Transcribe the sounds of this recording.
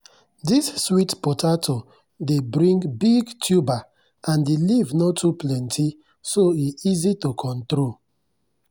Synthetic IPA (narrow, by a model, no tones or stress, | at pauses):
disswitpɔtʰatʰo | debɾĩŋɡbiɡtʰjuba | ãndelivnɔtuplɛ̃ntʰi | soiizitokʰɔ̃ntɾol